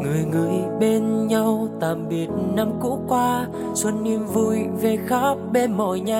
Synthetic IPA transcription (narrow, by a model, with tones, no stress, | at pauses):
ŋɨ˨˩əjŋɨ˨˩əjɓe˧nɲa˧wt̪aː˨˩mɓi˨˩ət̚na˧mkṵ˧˥kwaː˧ | swə˧nːi˧əmvu˧jve˨˩xaː˦˥p̚ɓe˧nmɔ̰˧˩˨jɲa˧